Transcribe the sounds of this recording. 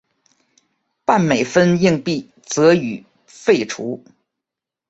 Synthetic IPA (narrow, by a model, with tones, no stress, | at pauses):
pa˥˩nme˨˩ɪfə˥ni˥˧ŋpi˥˩ | t͡sɤ˧˥y˨˩ | fe˥˩ɪʈ͡ʂʰṵ˧˥